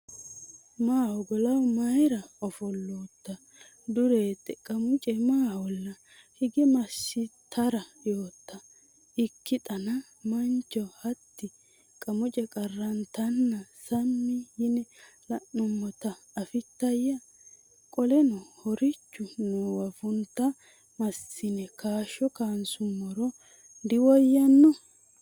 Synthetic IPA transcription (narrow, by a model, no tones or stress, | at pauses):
maːwɔɡɔlɐwmɐjɾɐɔfɔlːoːt̪ːɐ | d̪ʊɾeːt̪ʼːɛkʼɐmʊt͡ʃʼɛmaːwɔlːɐ | hɪɡɛmɐsːɪt̪ʰːɐɾɐjoːt̪ːɐ | ɪkːɪt̪ʼɐnɐ | mɐnt͡ʃːɔhɐt̪ːɪ | kʼɐmʊt͡ʃʼɛkʼɐrːɐnt̪ɐnːɐsɐmːɪjɪnɛlɐʔʊmːɔt̪ɐːfɪt̪ːɐjɐ | kʼɔlɛnɔhɔɾɪt͡ʃːʊnowɐfʊnt̪ːɐ | mɐsːɪnɛkʰaːʃɔkaːnsʊmːɔɾɔ | d̪ɪwɔjːɐnːɔ